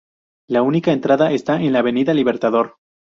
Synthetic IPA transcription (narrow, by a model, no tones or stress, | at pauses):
launikae̞nt̪ɾaðaʔe̞st̪aʔenlaːβe̞niðaliβe̞ɾt̪aðo̞ɾ